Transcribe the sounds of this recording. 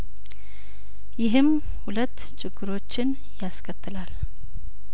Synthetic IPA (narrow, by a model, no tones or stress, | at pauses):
jɪɦɨm | hulət̪ːt͡ʃʰʼɪɡːɨɾo̞t͡ʃːɪn | jaskʰət̪ʰːɨlal